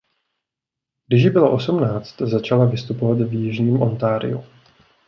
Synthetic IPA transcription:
ɡdɪʒbɪloʔo̞sumnaːt͡st̪zat͡ʃalavɪst̪upo̞vat̪vjɪʒɲiːmʔo̞nt̪aːɾɪ̰jṵ

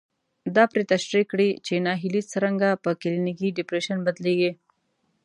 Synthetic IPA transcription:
d̪ɑpɾet̪aʃɾikɽit͡ʃenɑɦilisəɾaŋɡapəkɪlinikiɖɪpɾeʃanbad̪leɡi

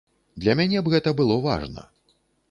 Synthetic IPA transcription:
d̪lʲɐmʲanʲɛbɣɛt̪ɐbɨlˠɔva̰ʐnɐ̰

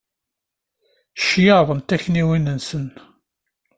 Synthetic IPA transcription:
ʃjəðˤənt̪æçniwinənsən

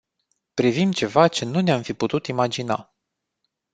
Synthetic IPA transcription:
pɾivimt͡ʃe̞vat͡ʃe̞nuneamfiput̪ut̪imad͡ʒina̰

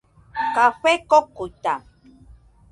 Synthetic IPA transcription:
kaɸekokut̪a

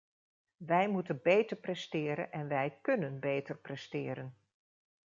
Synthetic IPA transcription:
ʋɛjmutənbejtəɹprɛstɪːɾə̰nʔɛnʋɛjkɵnənbejtəɹprɛstɪːɾən

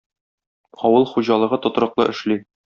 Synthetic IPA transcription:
ɒwɤlˠχuʑɑlˠɤ̆ʁɤt̪ŏt̪̆ɾɤ̆qlˠɤʔɘ̆ʃli

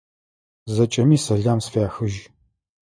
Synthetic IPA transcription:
zɐt͡ʃʼɐmiːsɐɮaːmsfeaːxɨʒ

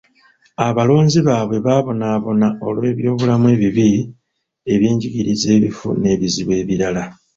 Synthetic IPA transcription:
aβalo̞ːɲziβaːβwe̞βaβo̞naːβo̞nao̞lwe̞ːβjo̞ːβulamue̞ːβiβi | e̞βje̞ːɲɟiɡiɾize̞ːβifṵne̞ːβiziβwe̞ːβiɾala

